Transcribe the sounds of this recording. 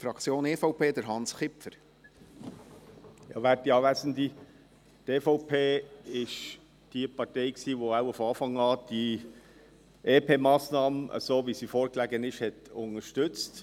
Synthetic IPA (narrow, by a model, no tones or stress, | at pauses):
fɾɑkt͡sjoːneːfɔʊpʰeːd̪əɾɦɑnsχɪpfəɾ | jɑ̰ʋætiɑːʋæsəndi | teːfɔʊpʰeːɪʃ | d̥iəpʰɑɾteɪksiːʋoaʊufɑːfɑŋɑːd̥i | ʔeːpʰeːmɑːsnɑːməʔə̰soːvisifɔːɾklæɡənɪʃhɛtʊnəʃtʏt͡st